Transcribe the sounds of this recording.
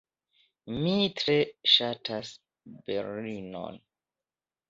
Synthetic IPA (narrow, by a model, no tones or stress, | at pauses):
mitɾeʃatʰas | beɾino̰n